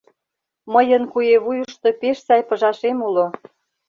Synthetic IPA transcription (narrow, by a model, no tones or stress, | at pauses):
məjənkujeβujuʃt̪opeʃsɑjpə̆ʒɑʃemulo